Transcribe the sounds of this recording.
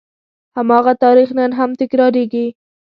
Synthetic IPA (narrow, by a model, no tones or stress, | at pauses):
hamɑɣat̪ɑɾixnənɦamt̪ɪkɾɑɾeɡi